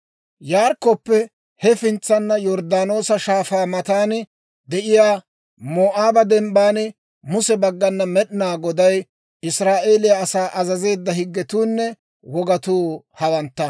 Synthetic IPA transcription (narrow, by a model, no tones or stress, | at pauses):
jaːɾkːɔpːɛ | hɛfɪnt͡sːɐnːɐjɔɾd̪aːno̞ːsɐʃaːfaːmɐt̪aːn | d̪ɛʔɪjaː | moːʔaːbɐd̪ɛmbaːn | mʊsɛbɐɡːɐnːɐmɛɗɪnaːɡɔd̪ɐj | ɪsɾaːʔe̞ːlɪjɐːsaːʔɐzɐze̞ːd̪ːɐhɪɡːɛt̪uːnːɛ | wɔɡɐt̪uː | hɐwɐnt̪ːɐ